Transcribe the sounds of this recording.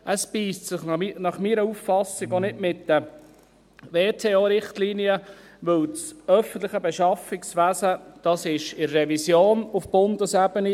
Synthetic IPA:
ʔəspiːstsɪχnɑχmiːɾəufːɑsɪɡɔnɪtmɪt̪də | ʋeːt̪ʰeːoːɾɪχtliːniə | ʋɵwt͡sœfən̩t̪ləχəbɛʃɑfiksʋæsəd̥ɑsɪʃɪɾːɛvisjoːnufb̥ʊnd̪əsæbəni

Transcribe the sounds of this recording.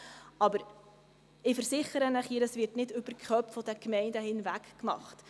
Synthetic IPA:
ɑbəɾ | ɪfəɾsɪχəɾənɛχhiːdəsvɪrtnɪdʏbərkʰχœpfɔdɛkmɛɪndəhɪnvækkmɑ̰χt

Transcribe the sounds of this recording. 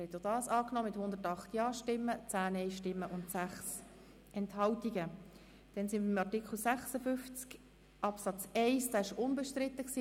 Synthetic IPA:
hɛt̪jodɑːsɑːknɔmɪthʊnd̪ətɑχt̪jɑːʃtɪmːət͡sæːnɛɪʃtɪmːəʔʊntsæχs | ʔɛnthɑltiɡə | d̥ɛnsɪnməɪmɑrtɪkχl̩sæχsəfʏnft͡sk | ʔɑpsɑt͡sɛɪsd̥ɑːɪʃʊnbɛʃtɾɪtːəksiː

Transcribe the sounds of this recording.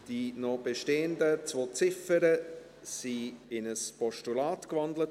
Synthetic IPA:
d̥inɔb̥eʃteːəndət͡svoːt͡sɪfəɾə | siɪnəspɔʃtulaːtkvɑndlət

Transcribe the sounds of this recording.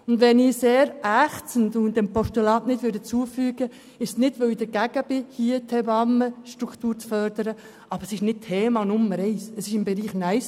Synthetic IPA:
ʊndʋɛniseːɾʔæχt͡sən̩dʊndɛmpɔʃtulɑːtnɪdʋʏːdət͡suəfyːɡ̥ə | ɪʃsnɪdʋøwid̥əɾɡ̥æɡ̥əbɪhiətʰɛbɑmːəʃtɾukʰtuːɾt͡sfœɾdəɾə | ʔɑb̥əɾəsɪʃnɪt̚tʰːeːmɑnʊmːəɾɛɪsəsɪʃɪmbɛɾiːχnæɪs

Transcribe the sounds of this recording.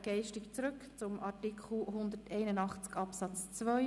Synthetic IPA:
ɡ̥ɛɪʃtɪkt͡sɾɵkt͡sʊmʔɑtikʰχl̩ɦʊnd̪ətɛɪnənɑχt͡skɑpsɑt͡st͡svœʏ

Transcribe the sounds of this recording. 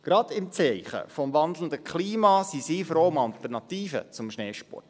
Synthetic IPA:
ɡ̥ɾɑd̪ɪmt͡sɛɪχə̰fɔmʋɑnd̪l̩n̩d̪əkχliːmɑsisiːfɾoːʊmɑlt̪ərnɑt̪iːfə̰t͡sʊmʃnɛːʃpɔ̰rt

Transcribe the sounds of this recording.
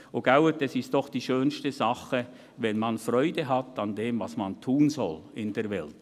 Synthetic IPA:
oɡ̥awətɛsɪst̚d̥ɔχd̥iːʃøːnstəzɑχə | vɛnmɑnfrɔʏdəɦɑtɑndeːmvɑsmantʰuːnzɔ̰lɪndeːɐɾvɛlt

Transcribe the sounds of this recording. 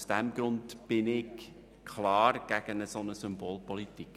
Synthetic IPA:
sd̥ɛmɡ̥ɾʊndb̥ɪnɪɡ | kʰχlɑːrɡ̥æɡ̥ənəsonəsʏmboːlpɔlitik

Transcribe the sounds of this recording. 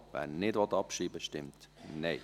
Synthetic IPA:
vɛ̰nɪdʋɔtːɑpʃiːbəʃtɪmtneɪ

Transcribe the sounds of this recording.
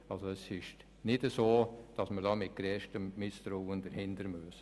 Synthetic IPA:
ɑlsoɛsɪʃ | nɪdəsoːd̥ɑsməɾdɑːmɪt̚ɡ̥ɾɛːʃtəmːɪsd̪̥ɾowənd̪əɾhɪnd̪əɾmøs

